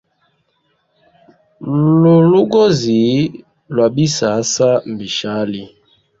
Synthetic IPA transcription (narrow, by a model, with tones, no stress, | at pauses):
lo˨lu˦ɡɔ˦zi˨˦ | lwa˨bi˦sa˨˦sa˦m̩˨bi˨ʃa˨˦li˦